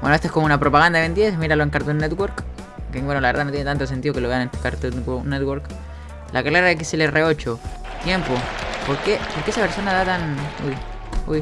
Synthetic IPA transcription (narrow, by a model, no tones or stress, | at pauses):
bwenoet̪ekomounapɾo̞paɣand̪aend̪jesmiɾaloeŋkaɾt̪unːet̪ɣwo̞ɾk | keŋwenolaβeɾðanojent̪ant̪os̬ent̪iðoke̞loβe̞anent̪ukaɾt̪unɡonːet̪wo̞ɾk | lʔakalaɾaðek̬iselereo̞t͡ʃo | t̪je̞mpopo̞ɾkepoɾkeesapeɾso̞naðat̪anṵj | ṵj